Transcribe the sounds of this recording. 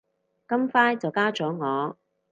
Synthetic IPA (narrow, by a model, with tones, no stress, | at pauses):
kɐ˥mfaː˥jt͡sɐ˨wkaː˥t͡ʃɔː˨˥ŋɔː˨˧